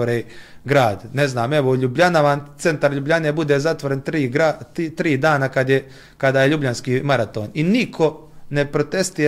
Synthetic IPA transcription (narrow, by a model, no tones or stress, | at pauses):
oɾeːɡɾaːd̪neznaːme̞ʋoʎubʎanaʋaːnt̪se̞nt̪aɾʎubʎanebud̪eːzat̪ʋoɾent̪ɾiːɡait̪ɾiːd̪aːnakad̪je | kad̪aːjeʎubʎanskiːmaɾat̪o̰ːninikʰo̞ | ne̞pɾot̪e̞st̪i